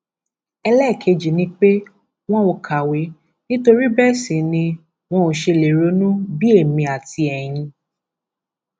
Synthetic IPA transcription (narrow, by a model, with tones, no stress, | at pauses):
ɛ˧lɛ˦˨kʰe˨˦d͡ʒi˨nĩ˦k͡pe˦ | w̃ɔ̃˦o˧kʰa˨we˨˦ | nĩ˦to˧ɾi˦bɛ˦˨sĩ˨nĩ˧ | w̃ɔ̃˦o˧ʃe˧le˨ɾo˨˦nũ˦bi˦e˦˨mĩ˧a˨ti˧ɛ˨j̃ĩ˧